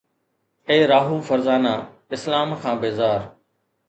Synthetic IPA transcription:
eːɾaːɦuːfəɾzaːnaː | ɪslaːmkʰãːbeːzaːɾ

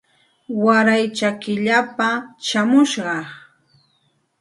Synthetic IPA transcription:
waɾajt͡ʃakɪʎapaʃamʊʃɢɑ

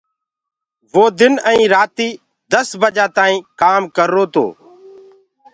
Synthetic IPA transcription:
ʋoːd̪ɪnə̃ĩːɾaːt̪iː | d̪əsbəd͡ʒaːt̪aːĩːkaːmkəɾːoːt̪o̰ː

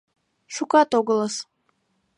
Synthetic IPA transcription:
ʃukʼat̪ʼoɡəlˠəs

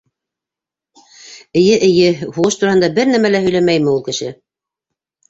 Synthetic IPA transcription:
ɘ̆jɘʔɘ̆jɘhuʁɤʃt̪uɾɑhɤnd̪ɑbɘɾnæmælæɦɵ̆læmæjmɘulˠkɘ̆ʃɘ̰

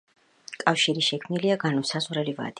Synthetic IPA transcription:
kʼafʃiɾiʃɛkʰmniliaɡanɔsazʁɾɛliva̰d̪̥i

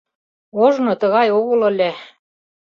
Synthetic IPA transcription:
oʒnɤ̆t̪ɤ̆ɣɑjoɣɤ̆lɤ̆lʲæ

